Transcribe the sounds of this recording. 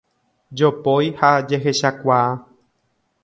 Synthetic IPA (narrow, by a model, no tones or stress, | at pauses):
d͡ʒopojhad͡ʒe̞ɦe̞ʃakʷaa